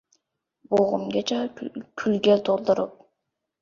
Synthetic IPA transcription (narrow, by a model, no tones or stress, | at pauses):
boʁṵmɡʲet͡ʃakʲʰylɡet̪ʰolˠd̪oɾup̚